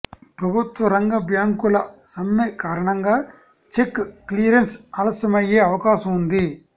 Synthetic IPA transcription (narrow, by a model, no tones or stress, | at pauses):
pɾɐbʊt̪ʋɐɾɐŋɡɐbjaːŋkʊlɐsɐmːekaːɾɐɳɐŋɡɐ | t͡ʃekːkliːɾɐnsɐlɐsɐmɐjeːɐʋɐkaːsɐmʊnd̪i